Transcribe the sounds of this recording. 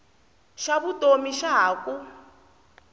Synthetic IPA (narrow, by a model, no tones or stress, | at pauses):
ʃaβutomiʃaɦaːku